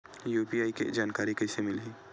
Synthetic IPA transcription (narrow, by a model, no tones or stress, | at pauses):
juːpiaːikḛd͡ʒaːnkaːɾikɛɪsemɪlɦiː